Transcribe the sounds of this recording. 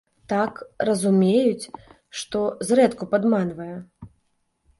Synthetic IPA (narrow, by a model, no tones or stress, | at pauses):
t̪akrɐzumʲejut͡sʲ | ʂt̪ɔzrɛt̪kupad̪manvɐjɛ